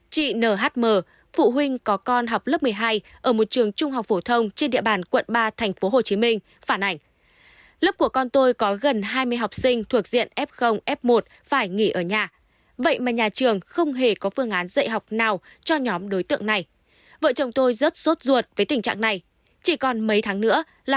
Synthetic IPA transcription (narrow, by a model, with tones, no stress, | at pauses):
t͡ɕḭ˧˨nəː˧˩ɦaː˦˥t̚məː˨˩ | fṵ˧˨ɦwi˧ŋ̟kɔ˨˦kɔ˧nɦa˨˩wk͡p̚lə˦˥p̚mɨ˨əjɦaː˧j | ʔəː˧˩mo˨˩t̚t͡ɕɨ˨˩əŋt͡ɕʊ˧ŋ͡mɦa˨˩wk͡p̚fo˧˩t̪ʰə˧wŋ͡mt͡ɕe˧nɗḭ˧˨əɓaː˧˩nkwə̰˧˨nɓaː˧t̪ʰɛ˨˩ŋ̟fo˨˦ɦo˨˩t͡ɕi˨˦mï˧ŋ̟ | faː˧˩nʔa˧˩jŋ̟ | lə˦˥p̚ku˧˩əkɔ˧nt̪o˧jkɔ˨˦ɣə˨˩nɦaː˧jmɨ˧əjɦa˨˩wk͡p̚sï˧ŋ̟t̪ʰu˨˩ək̚zḭ˧˨ənʔɛ˦˥p̚xə˧wŋ͡mʔɛ˦˥p̚mo˨˩t̚ | faː˧˩jŋi˧˩ʔəː˧˩ɲaː˨˩ | və̰˧˨jmaː˨˩ɲaː˨˩t͡ɕɨ˨˩əŋxə˧wŋ͡mɦe˧˩kɔ˨˦fɨ˧əŋʔaː˨˦nzə̰˧˨jɦa˨˩wk͡p̚naː˨˩w | t͡ɕɔ˧ɲɔ˨˦mɗo˨˦jt̪ɨ̰˧˨əŋna˨˩j | və̰˧˨t͡ɕə˨˩wŋ͡mt̪o˧jzə˦˥t̚zo˦˥t̚zu˨˩ət̚vəː˨˦jt̪ï˨˩ŋ̟t͡ɕa̰ː˧˨ŋna˨˩j | t͡ɕi˧˩kɔ˨˩nmə˨˦jt̪ʰaː˨˦ŋnɨ̰˧˥ə | l